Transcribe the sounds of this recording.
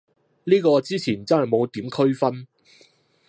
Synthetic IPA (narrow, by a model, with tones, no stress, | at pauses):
liː˥kɔː˧t͡siː˥t͡sʰiː˨˩nt͡sɐ˥nɦɐ˨˩jmo˨˧wt̪iː˨˥mkʰɵ˥ɥfɐ˥n